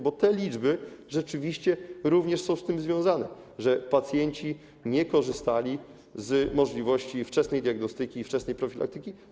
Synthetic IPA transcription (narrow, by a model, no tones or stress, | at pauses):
bɔt̪ɛlʲid͡ʐbɘʐɛt͡ʂɘvʲiɕt͡ɕɛɾuvɲɛʂsɔ̃w̃st̪ɘmzvʲjɔ̃w̃zanɛ | ʐɛpat̪sʲjɛɲt͡ɕi | ɲɛkɔʐɘst̪alʲi | zmɔʐlʲivɔɕt͡ɕift͡ʂɛsnɛjd̪ʲjaɡnɔst̪ɘkʲiːft͡ʂɛsnɛjpɾɔfʲila̰kt̪ɘkʲi